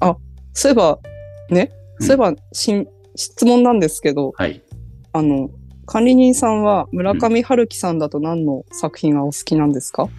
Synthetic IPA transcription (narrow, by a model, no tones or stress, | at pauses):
asoebane̞soebaɕĩ | ɕi̥t͡sɨmõ̞nːãnd̪e̞sɨ̥ke̞d̪o̞a̰iano̞kʰãnɾʲiɲ̟ĩɰ̃sãɰ̃βamɯ̟ɾakamʲihaɾɯ̟kʲi̥sãnd̪at̪o̞nãnːo̞sakɯ̟̥çĩŋɡaosɨ̥kʲinãnd̪e̞sɨ̥ka